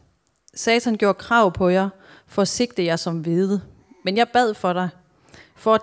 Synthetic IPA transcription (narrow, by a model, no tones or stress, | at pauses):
sɛːt͡sʰænɡ̥jo̝ɐ̰kʰʁɑ̈ʊ̰pʰɒ̽jɑ̈ | fɒ̽æse̝ɡ̥d̥əjɑ̈ɪsɒ̽mʋe̝ðˠə | menjɑ̈ɪb̥æð̞̰ˠfɒ̽ɾ̥ɑ̈ɪ | fɒ̽æ